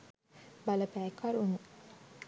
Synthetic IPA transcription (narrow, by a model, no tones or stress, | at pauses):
baləpæːkʰaɾunu